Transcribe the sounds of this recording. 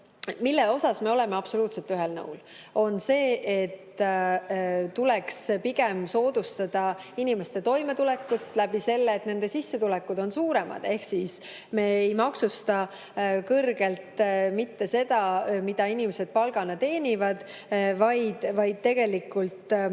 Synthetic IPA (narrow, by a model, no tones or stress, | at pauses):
milːeo̞sɑsme̞o̞lɛ̞me̞ɑb̥so̞luːt̪selt̪ːyɦelnɤ̰wl | o̞nse̞ːʔet̪ː | t̪ulekspiɡ̥emso̞ːd̪̥ust̪ɑd̪̥ɑinime̞st̪e̞t̪o̞jme̞t̪ulɛkːut̪ːˑlæbise̞lːeːt̪ne̞nd̪e̞sisːet̪ulɛkːud̪̥o̞nsuːɾe̞mɑ̰d̪̥e̞hksis | me̞ːejmɑksust̪ɑ | kɤrɡ̥e̞lt̪mit̪ːe̞se̞d̪̥ɑmid̪̥ɑinimese̞d̪̥̚pɑlɡ̥ɑnet̪e̞ːnʲivɑd̪̥ | vɑjd̪̥vɑjd̪̥̚t̪e̞ɡ̥e̞likˑult̪